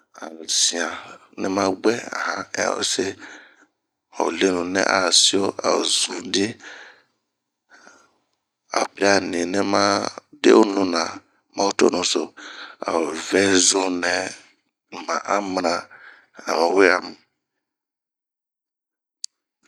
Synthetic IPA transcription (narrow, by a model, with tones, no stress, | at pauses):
a˨zĩ˨ã˨nɛ˦mã˦ɡ͡bɛ˦a̰˨ɦã̰˦˨se˦ | o̰˨le˦nũ˨nɛ̰̃˦ʔa˨si˦o˦ʔa̰˨zũ˨dɪ˦ | a̰˨pɾi˦a˨nĩ˨nɛ̃˦mã˦dḛ˦o˦nũ˦nã˨ | mã˦o˦to̰˦nũ˨so˨a̰˨vɛ˦zu˦nɛ̃˨ | mã˨ʔa˦mnã˨ | a̰˨mɛ̃˨we˦a˨m˨